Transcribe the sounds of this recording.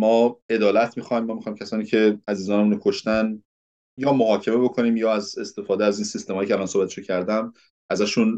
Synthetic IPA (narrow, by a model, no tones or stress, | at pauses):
mɒːe̞d̪ɒːlæt̪ʰmiːxɒjmːɒːmixɒjmcʰʲæsɒːniːcʰe̞æziːzɒːnemuːnokʰoʃt̪æn | jɒːmoɦɒːcʰe̞me̞bo̞kʰo̞niːmjɒːæze̞st̪e̞fɒːd̪eæziːnsist̪e̞mɒjicʰeælɒːnsohbæt̪ʰe̥ʃocʰæɾd̪æm | ʔæzæʃun